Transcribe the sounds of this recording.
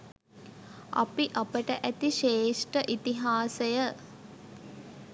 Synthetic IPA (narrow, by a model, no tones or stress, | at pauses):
a̰piʔapəʈəʔæt̪iʃeːʂʈəʔit̪iɦaːsəjə